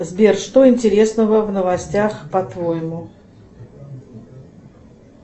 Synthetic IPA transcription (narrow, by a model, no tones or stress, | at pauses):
zbʲerʂt̪oɪnʲtʲɪɾʲe̞snəvəvnəvɐsʲtʲaxpɐt̪vojɪmʊ